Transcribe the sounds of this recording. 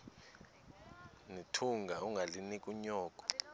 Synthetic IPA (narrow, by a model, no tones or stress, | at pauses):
nitʰuŋɡʱauŋɡʱalinikʼuɲɔːkʼɔ̥